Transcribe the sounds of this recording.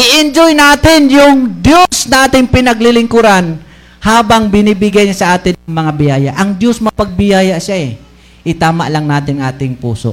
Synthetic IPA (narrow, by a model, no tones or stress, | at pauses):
ʔɪʔɪnd͡ʒojnaːt̪ɪnjʊŋd̪josnaːt̪ɪŋpɪnɐɡlɪlɪŋkʊɾan | haːbaŋbɪniːbɪɡajɲasɐʔaːt̪ɪnɐŋmɐŋabɪjaːjaʔɐŋd̪josmɐpɐɡ̚bɪjaːjaʃaɛ | ʔɪt̪aːma̰ʔlɐŋnaːt̪ɪnʔa̰ːt̪ɪŋpṵːso̰ʔ